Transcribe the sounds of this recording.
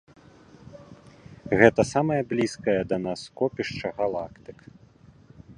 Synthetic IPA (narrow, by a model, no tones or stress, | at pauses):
ɣɛt̪ɐsamɐjɐblʲiskɐjɐd̪ɐnaskɔpʲiʂt͡ʂɐɣalˠakt̪ɨk